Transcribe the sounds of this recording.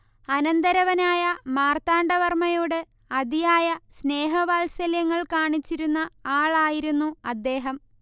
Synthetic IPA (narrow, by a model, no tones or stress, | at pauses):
ɐnɐnd̪ɐɾɐʋɐnaːjɐmaːrt̪aːɳɖɐʋɐrmɐjoːɽe | ɐd̪ijaːjɐsne̞ːɦɐʋaːlsɐljɐŋːɐɭkaːɳit͡ɕːiɾunːɐaːɭaːjiɾunːuɐd̪ːe̞ːɦɐm